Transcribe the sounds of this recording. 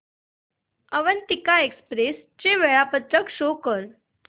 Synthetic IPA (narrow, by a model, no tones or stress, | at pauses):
əʋənt̪ikaekspɾest͡ɕeʋeɭapət̪ɾəkɕokəɾ